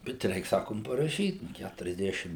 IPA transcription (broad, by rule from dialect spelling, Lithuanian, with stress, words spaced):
bʲɛt ˈrʲɛɪk ˈsɑːkoːm pɐrɐˈʃʲiːt ˌkʲætʊrʲɛzʲˈdʲæːʃʲɪm